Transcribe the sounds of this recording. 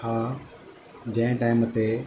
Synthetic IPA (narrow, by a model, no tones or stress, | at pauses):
aː | d͡ʑɐ̃ɪ̃ʈaːɪmət̪e